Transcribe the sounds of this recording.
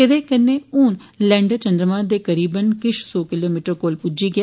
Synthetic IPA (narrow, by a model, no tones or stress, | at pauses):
kɪd̪eːkənːeːuːn | lɛ̃ːɳɖt͡ʃənd̪ɾəmãːd̪eːkəɾiːbənkɪʃsoːkɪloːmiːʈəɾkoːlpʊd͡ʒiːɡɛː